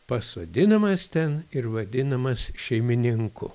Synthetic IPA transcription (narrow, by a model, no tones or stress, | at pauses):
pɐsʋɐd̪ʲɪnɐmɐst̪ʲɛnɪrʋɐd̪ʲɪnɐmɐsʃʲɛɪmʲɪnʲɪŋkʊ̰